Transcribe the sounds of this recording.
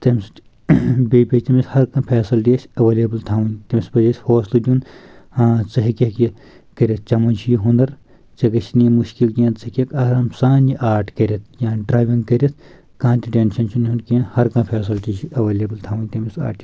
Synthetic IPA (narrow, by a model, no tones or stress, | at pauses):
t̪ɐmʲs | beːpʲet̪ɐmishɐɾkɐ̃pʰeːsɐlʈiesʲɐʋeːlebɐlt̪ʰaːʋɐnʲt̪ɐmʲisbɐd͡ʒɐsʲhoːslɨd̪ʲunaːt͡sɐɦikʲeki | kɐɾʲɐt̪̚ʰt͡ʃɐmɐnt͡ʃʰijiɦund̪ɐɾ | t͡ʃɐɡɐʃinijmuʃkilkiɐ̃nt͡sɐkʲekɐɾɐmsaːnjiʔaːɾʈʰkɐɾʲet̪̚ʰjãːɖɾaːjʋĩŋɡkɐɾʲit̪ʰ | kaːnt̪ʲiʈeːnʃɐnt͡ʃʰunɦunkiɐ̃nhɐɾkɐ̃pʰeːs̬ɐltit͡ʃiɐʋeːlʲeːbɐlt̪ʰaːʋɐnʲt̪ɐmisa̰ːʈi